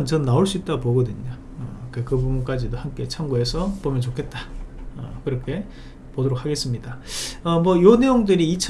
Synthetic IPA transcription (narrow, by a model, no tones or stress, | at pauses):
nt͡ɕʌnːaoɭs͈uit͈aɡpoɡʌdɯɲo | ʌkekɯbubunk͈ad͡ʑidohamk͈e̞t͡ɕʰaŋɡuɦe̞sʰʌpomjʌnt͡ɕokʰe̞t̚t͈ḁʌ̰kɯɾʌkʰe̞ | podoɾok̚ʰaɡe̞s͈ɯmɲidaʌmwʌjone̞joŋdɯɾiːt͡ɕʰ